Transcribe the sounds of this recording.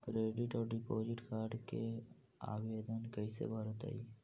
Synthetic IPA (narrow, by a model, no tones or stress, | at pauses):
kɾeːɖɪʈɔːɾɖɪpoːd͡ʒɪʈkaːɾɖke | a̰ːʋeːd̪ənkəisḛbʱaɾət̪a̰iː